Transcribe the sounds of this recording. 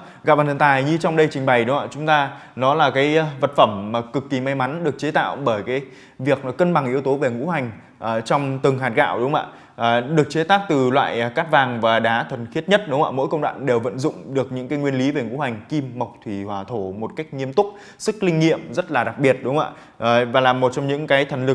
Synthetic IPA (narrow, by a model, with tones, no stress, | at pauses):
ɣa̰˨˧˨ɓaː˨˩nʰ˨˩nt̪aː˨˩jɲɨ˧t͡ɕɔ˧wŋ͡mɗə˧jt͡ɕï˨˩ŋ̟ɓa˨˩jɗʊ˨˦ŋ͡ma̰ː˧t͡ɕʊ˨˦ŋ͡mt̪aː˧nɔ˨˦laː˨˩kaː˨˦jvə˨˩t̚fə˧˩mːaː˨˩kɨ˨˩kːi˨˩ma˧jma˨˦nɗɨ˨˩ək̚t͡ɕe˨˦t̪a̰ː˧˨wɓəː˧˩jkaː˨˦j | vi˨˩ək̚ːə˧nɓa˨˩ŋʔi˧˦əwt̪o˨˦ve˨˩ŋṵ˧˥ɦa˨˩jŋ̟ | ʔəː˨˩t͡ɕɔ˧wŋ͡mt̪ɨ˨˩ŋɦaː˨˩t̚ɣa̰ː˧˨wɗʊ˨˦ŋ͡mʔa̰ː˧˨ | ʔːɗɨ˨˩ək̚t͡ɕe˨˦t̪aː˦˥k̚t̪ɨ˨˩lwa̰ː˧˨jkaː˦˥t̚vaː˨˩ŋvaː˨˩ɗaː˨˦t̪ʰwə˨˩nxi˦˥ət̚ɲə˦˥t̚ɗʊ˨˦ŋ͡mʔa̰ː˧˩mo̰˧˥jkə˧wŋ͡mɗwa̰ː˧˨ŋɗe˨˩wvə̰˧˨nzʊ̰˧˨ŋ͡mɗɨ˨˩ək̚ɲɨ̰˧˥ŋkaː˨˦jŋwi˧ənli˨˦ve˨˩ŋṵ˧˥ha˨˩jŋ̟ki˧mːa˨˩wk͡p̚t̪ʰwi˧˩hwaː˧˩t̪ʰo˧˩mo˨˩t̚ka˦˥jk̟̚ŋi˧əmt̪ʊ˦˥k͡p̚ | sɨ˦˥k̚lï˧ŋ̟ːḭ˧˨əmzə˦˥t̚laː˨˩ɗa˨˩k̚ɓi˨˩ət̚ɗʊ˨˦ŋ͡mʔa̰ː˧˨ | ʔːvaː˨˩laː˨˩mo˨˩t̚t͡ɕɔ˧wŋ͡mɲɨ̰˧˥ŋkaː˨˦jt̪ʰə˨˩ŋ̟lɨ˨˩k̚